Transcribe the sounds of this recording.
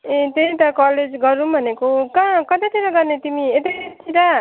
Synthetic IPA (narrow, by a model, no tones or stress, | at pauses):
ẽt̪eĩt̪ʌkʌled͡zɡʌɾũbʱʌnekokãkʌt̪at̪ʰiɾʌɡʌrnet̪imiet̪it̪ʰiɾa